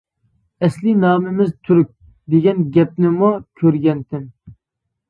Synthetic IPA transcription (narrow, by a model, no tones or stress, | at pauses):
ɛslɪnɑːmɪmɪzt̪ʰyɾyk̚ʲ | d̪eɡʲɛnɡʲɛp̚nɪmukʲʰøɾɡʲɛnt̪ʰɪn